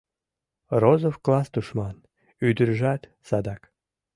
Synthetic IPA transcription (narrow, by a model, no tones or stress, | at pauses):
rozofklɑst̪uʃmɑn | yd̪əɾʒɑt̪ | sɑd̪ɑk